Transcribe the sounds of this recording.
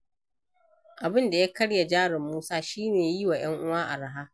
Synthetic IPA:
ʔa˨bɪ˦nda˨ja˦kɐ˦ɽja˨d͡ʒaː˦ɽɪ˨mːuː˦saː˦ʃiː˦neː˨ji˦wa˨j̰ɐ˦ŋʔʊ˦waː˦ʔa̰˨ɽa˦˨ɦaː˦

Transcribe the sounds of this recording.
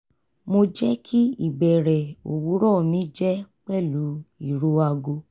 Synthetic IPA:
mo˧d͡ʒɛ˦kʰi˦i˦˨bɛ˨ɾɛ˨o̰˨wu˨˦ɾɔ˦˨nĩ˨˦d͡ʒɛ˦k͡pɛ˦˨lu˨˦i˦˨ɾo˨˦a˧ɡo˧˦

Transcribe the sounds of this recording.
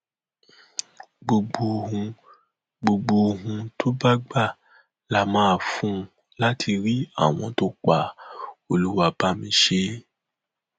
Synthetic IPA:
ɡ͡bo˧ɡ͡bo˧hũ˧ | ɡ͡bo˧ɡ͡bo˧ɦũ˧tʰo˦ba˦ɡ͡ba˦˨ | la˦mãː˦a˦˨fũ˦ | la˦tʰi˧ɾi˦a̰˦˨w̃ɔ̃˧to˦k͡pa˨o˨lu˦wa˧˨ba˦mĩ˧˦ʃe˦

